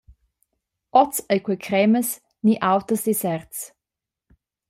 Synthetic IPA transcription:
ɔt͡səjkwekʰɾɛməs | niʔawt̪əsd̥̪isɛrts

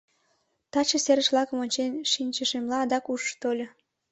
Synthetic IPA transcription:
t̪ɑt͡ɕə̆seɾəʃβlɑkə̆monʲt͡ɕenʃinʲt͡ɕəʃemlɑːd̪ɑkuʃt̪olʲo

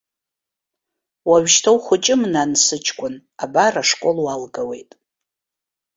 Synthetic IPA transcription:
waɥʃtʰowχʷʊt͡ʃʼɪmnansɨt͡ʃʰʼkʷʼʊnabaraʂkʷʼolwalɡawe̞̰jtʼ

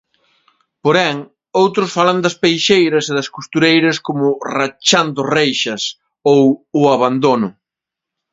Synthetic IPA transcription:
poɾɛŋ | owt̪ɾʊsfalɐnd̪ɐspejʃejɾɐseðɐskust̪uɾejɾɐskomʊrat͡ʃand̪ʊrejʃɐs | owʊaβand̪onʊ

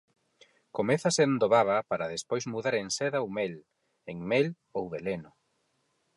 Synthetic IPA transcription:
komɛθasend̪oβaβapaɾaðespojzmuðaɾeŋsɛðaowmɛl | eŋmɛl | owβelenʊ

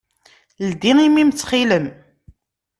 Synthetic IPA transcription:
ld̪iimimt͡sːχiləm

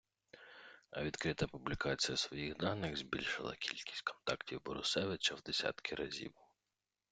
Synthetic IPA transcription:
ɐʋʲid̪kɾɪt̪ɐpʊblʲikɑt͡sʲijɐsʋɔjiɣd̪ɑnɪɣzbʲilʲʃɪlˠɐ̰kʲʰilʲkʲi̥sʲtʲkʰɔ̥nt̪ɑktʲiwbɔɾʊsɛʋɪt͡ʃɐwd̪esʲɑ̰t̪kʰɪɾɐzʲḭw

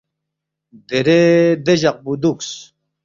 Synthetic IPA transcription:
d̪eɾed̪eʑaq̚bud̪uks

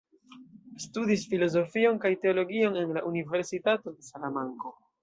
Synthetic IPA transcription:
studisfilo̞zo̞fio̞nkajte̞o̞lo̞ɡio̞ne̞nlaʔunive̞ɾsitato̞de̞salamaŋko̞

